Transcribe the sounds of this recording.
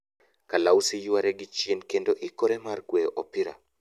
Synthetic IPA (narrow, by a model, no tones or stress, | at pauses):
kalausijuwaɾɛɡit͡ʃiɛnkɛndɔʔikɔɾɛmaɾkwɛʔɔpiɾa̰